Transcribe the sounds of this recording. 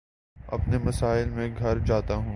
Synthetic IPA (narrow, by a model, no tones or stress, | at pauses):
ɐ̰pnemɐsaːɪlmẽɡʱɐɾd͡ʒaːt̪aɦũː